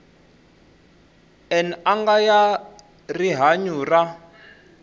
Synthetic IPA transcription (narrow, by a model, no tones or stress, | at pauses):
ɛnaŋɡaja | riɦaɲuːra